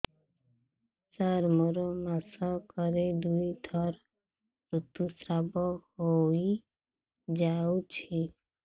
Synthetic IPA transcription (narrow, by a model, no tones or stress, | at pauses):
t͡ʃaɾmɔɾomasakɔɾed̪uid̪ʰʱɔɾ | ɾut̪ːusɾabɔɦoi | d͡ʒaut͡ʃʰi